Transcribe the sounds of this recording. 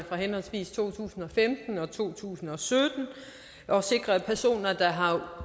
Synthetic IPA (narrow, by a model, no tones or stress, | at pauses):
fʁɑ̈ɦenɒ̽lsʋḭːst͡sʰo̝̰ːt͡sʰṵːsn̩ɒ̽femd̥n̩ɒ̽t͡sʰo̝̰ːt͡sʰṵːsn̩ɒ̽sød̥n̩ | ʔɒ̽se̝ɡ̥ʁɐpʰæɐso̝̰ːnɐd̥ɑ̈ɦɑ̈